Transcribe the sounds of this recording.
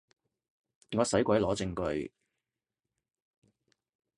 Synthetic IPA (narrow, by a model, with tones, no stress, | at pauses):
ŋɔː˨˧sɐ˨˥jkʷwɐ˨˥jlɔː˨˥t͡sɪ˧ŋkɵ˧ɥ